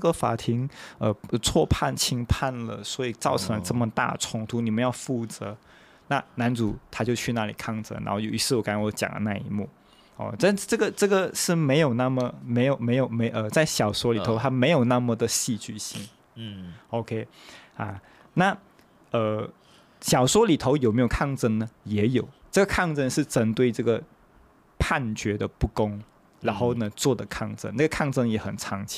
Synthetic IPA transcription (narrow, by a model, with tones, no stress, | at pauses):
ɡə˩fa̰˨˩t̪ʰi˧˥ŋə˧˩˧t͡sʰwɔ˥˧pʰa˥˩nt͡ɕʰi˥ŋpʰa˥˩nlə̰˩swɔ˧˥i˨˩t͡sɑ˥˩ʊʈ͡ʂʰɤ˧˥ŋlə˧ʈ͡ʂɤ˥˩mə˨˩t̪a̰˥˩ʈ͡ʂʰʊ˧˥ŋt̪ʰu˧˥ni˨˩mə˦njɑ˥˧ʊfu˥˩t͡sɤ˧˥˦ | na˥˩na˧˥nt͡su˨˩˦t̪ʰa˥t͡ɕjo˥˧ʊt͡ɕʰy˥˧na˥˩lḭ˨˩kʰɑ˥˩ŋt͡sɤ̰˧˥na̰˧˥xo˥˩ʊjo˨˩ʊḭ˧˥t͡sʰɹ̩˥˩wɔ˧˥ka˧˥n˥˩wɔ˧˥t͡ɕjɑ̰˨˩ŋlə̰˦na̰˥˩ḭ˧˥mu˥˩ | ɔ̰˥˧ʈ͡ʂa˥˧n˥ʈ͡ʂɤ˥˩ɡə˩ʈ͡ʂɤ˥˩ɡə˩ʂɻ̩˥˩me˧˥ɪjo˨˩ʊna˥˩mə˩me˧˥ɪjo˨˩ʊme˧˥ɪjo˨˩ʊme˧˥ɪʔə˧t͡sa˥˩ɪɕjɑ˨˩ʊswɔ˧˥li˨˩o˧˥ʊt̪ʰa˥me˧˥ɪjo˨˩ʊna˥˩mə˩d̪ə˩ɕi˥˧t͡ɕy̰˥˩ɕḭ˧˥n | o˧ʊkʰe˥ɪa̰˥˧ | na˥˩ | ə˧ | ɕjɑ˨˩ʊʂwɔ˥li˨˩t̪ʰo˧˥ʊjo˨˩me˧˥jo˨˩kʰɑ˥˩ŋʈ͡ʂə˥˩nnə˩jɛ˧˥jo˨˩ʊʈ͡ʂɤ˥˩ɡə˩kʰɑ˥˧ŋʈ͡ʂə˥˧nʂɻ̩˥˩ʈ͡ʂə˥nt̪we˥˧ɪʈ͡ʂɤ˥˩ɡə˩ | pʰa˥˩nt͡ɕɥɛ˧˥d̪ə˧pu˥˩kʊ˥ŋ | ɻa˧˥nxo˥˩ʊnə˨t͡swɔ˥˩d̪ə˩kʰɑ˥˩ŋʈ͡ʂə̰˥na˥˩ɡə˩kʰɑ˥˧ŋʈ͡ʂɤ˥ŋjɛ˧˥xə˨˩nt͡sʰɑ˧˥ŋt͡ɕʰi̥˥˩